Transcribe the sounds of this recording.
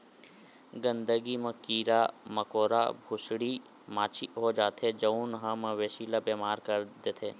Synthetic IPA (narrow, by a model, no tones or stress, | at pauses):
ɡə̃nd̪əɡimɐkiːɾamɐkoːɾabʱʊsɽi | maːt͡ʃʰiɦod͡ʒaːt̪ʰed͡ʒɐunɦəməʋeːʃiːlabeːmaːɾkɐɾd̪et̪ʰeː